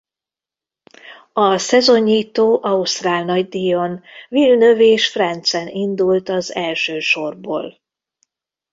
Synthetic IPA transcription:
ɒsɛzo̞ɲːiːt̪oːʔɒust̪raːlnɒɟd̪ijonvilnø̞veːʃfrɛnt̪sɛnind̪ult̪ɒzɛlʃøːʃo̞rbo̰ːl

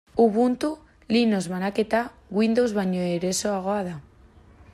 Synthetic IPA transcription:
uβunt̪u | linozβanaket̪a | ɣwind̪owzβaɲoeɾesoaɣ̞oaða

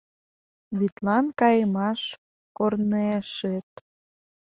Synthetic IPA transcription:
βit̪lɑnkɑjəmɑʃ | korneʃet̪

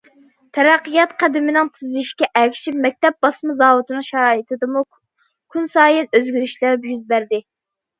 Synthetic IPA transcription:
t̪ʰɛɾæqːɨjɑt̪qʰæd̪ɪmɪnɪŋt̪ʰɨzlɪʃkʲɛʔækʲʰʃipmɛk̚ʲt̪ɛp̚bɑsmɨzɑːwut̪ɨnɨŋʃɛɾɑːjit̪ʰɨd̪ɨmu | kʰunsɑːjɛnøzɡʲyɾyʃlæɾpjyzbæɾd̪ɪ

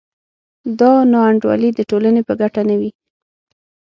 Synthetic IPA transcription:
d̪ɑnɑaɳɖwɑ̰lid̪əʈolanepəɡaʈanawi

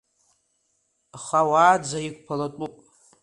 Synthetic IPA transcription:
χawaːd͡zaik̚ʷʰʼpʰalatʷʼupʼ

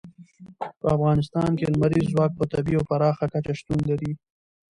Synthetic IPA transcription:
pəafɣɑnɪst̪ɑnkelmaɾizːwɑk̚pət̪abiawpaɾɑxakat͡ʃaʃt̪unlaɾi

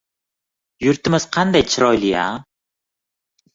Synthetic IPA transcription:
jʊɾt̪ʰɪmɪz̥qʰɑnd̪ajt͡ʃʰɪɾɒjlɪja̰

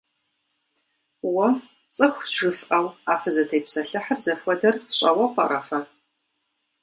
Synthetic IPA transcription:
wɐ | t͡sʼɨxʷʒɨfʔɐwaːfɐzɐtʰejpsɐɬɨħərzɐħʷɔdɐrfɕʷʼɐwɐqʼɐ̰ɾɐfɐ

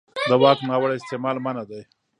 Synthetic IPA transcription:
d̪əwɑknɑwaɽaɪst̪emɑlmanad̪aj

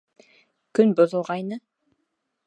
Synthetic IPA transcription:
kʲʰʏnbʊzə̆lˠʁɑjnə

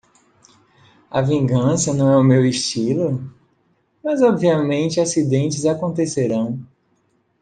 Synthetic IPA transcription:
ɐ̰vĩɡɐ̃sɐnɐ̃w̃ɛʊmewɪʃt͡ʃilʊ | mɐzɔbviɐmẽnt͡ʃɪasid̪ẽnt͡ʃɪzakõnt̪eseɾɐ̃w̃

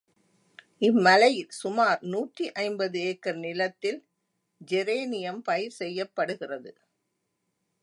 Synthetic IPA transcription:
ɪmːɐlɐjɪlsʊmaːɾnuːʈriʔɐɪmbɐðɯeːkːɐɾnɪlɐt̪ːɪl | d͡ʒɛɾeːnɪjɐmpɐjɪɾsɛjːɐpːɐɽɯɣɪrɐðɯ

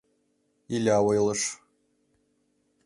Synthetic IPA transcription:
ilʲaːwɤjlˠɤʂ

